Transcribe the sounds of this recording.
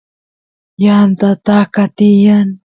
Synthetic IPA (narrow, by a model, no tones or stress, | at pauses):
jant̪at̪akat̪ijan